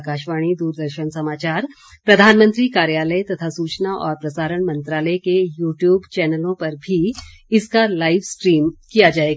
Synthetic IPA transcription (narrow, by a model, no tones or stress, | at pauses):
kaːʃʋaːɽ̃id̪uːɾd̪əɾʃənsɐmaːt͡ʃaːɾ | pɾɐd̪ʱaːnmə̃nt̪ɾikaːɾjaːləjt̪ɐt̪ʰasuːt͡ʃnaʔɔːɾpɾɐsaːɾəɳ̃mɐ̃nt̪ɾaːləjkejuːʈjuːbt͡ʃɛːnəlõpɐɾbʱi | ɪskalaːɪʋskɾiːmkijad͡ʒaːeɡ